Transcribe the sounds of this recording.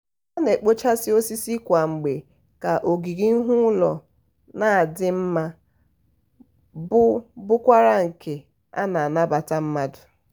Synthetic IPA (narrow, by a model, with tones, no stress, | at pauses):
a˦ne˨k͡po˦t͡ʃa˦sɪ˦o˦si˦si˦kʷa˨ŋ͡m̩˨ɡ͡be˨ | ka˨ʔo˨ɡi˨ɡi˦n̩˦ɦʊ˦lɔ˨ | na˦˨dɪ˦m̩˦ma˦ | bʊ˦bʊ˦kʷa˦ɾa˦ŋ̩˨ke˨ | a̰˦na˨a˨na˦ba˨ta˦m̩˦ma˦dʊ˨